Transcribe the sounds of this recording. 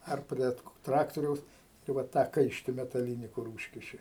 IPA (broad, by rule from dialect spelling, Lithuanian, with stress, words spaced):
ˈɐr ˈpʲrʲiɛ ˈtrɑːktoːrʲɛʊs tɐɪ ˈʋɐ ˈtɑː ˈkɐɪʃʲtʲɪ mʲɛtɐˈlʲiːnʲɪ kʊr ˈuːʃʲkʲɪʃʲɪ